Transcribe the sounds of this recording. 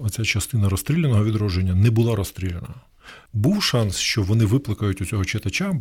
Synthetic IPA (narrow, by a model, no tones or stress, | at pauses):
ɔt͡sʲat͡ʃɐst̪ɪnɐɾɔst̪ɾʲilʲːenɔɦɔʋʲid̪ɾɔʒenʲːɐnɛbʊlˠɑɾɔst̪ɾʲilʲenɐ | buwʃɑnsʃt͡ʃɔʋɔnɪʋɪplˠɐkɐjʊtʲʊt͡sʲɔɦɔt͡ʃet̪ɐt͡ʃa